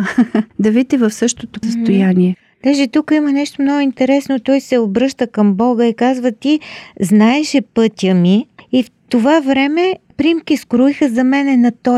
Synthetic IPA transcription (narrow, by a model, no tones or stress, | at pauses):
d̪ɐvit̪ivɐfsɤʃt̪ot̪osəst̪ojaniɛ | d̪aʒɛt̪ukimənɛʃt̪omnɔɡʊint̪ɛɾɛsnot̪ɔjsɛobɾɤʃt̪əkɐmbɔɡəikazvət̪iznaɛʃɛpɤt̪ʲjəmiift̪ovavɾɛmɛpɾimkiskɾoixəzɐmɛnɛnɐt̪ɔ